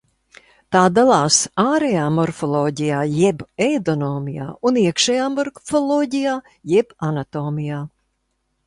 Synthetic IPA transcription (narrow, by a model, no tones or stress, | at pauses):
t̪aːd̪alˠɑːsaːɾɛjaːmɔɾfɔlˠoːɟijaːjɛbɛjd̪ɔnoːmija̰ːuniɛkʃɛjaːmɔɾfɔlˠoːɟijaː | jɛbanat̪oːmijaː